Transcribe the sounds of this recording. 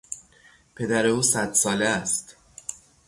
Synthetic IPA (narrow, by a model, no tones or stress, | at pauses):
pʰe̞d̪æɾe̞uːsæd̪sɒːleæst̪